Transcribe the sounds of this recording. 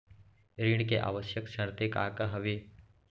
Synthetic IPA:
ɾiɳ̃keʔa̰ːʋəʃjəkʃəɽ̃t̪eka̰ːkaɦɐʋe

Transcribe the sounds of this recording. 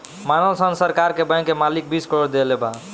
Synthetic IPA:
manəlsənsəɾkaɾkebə̃jkːemalik̚biskəɾoɽd̪eleba̰

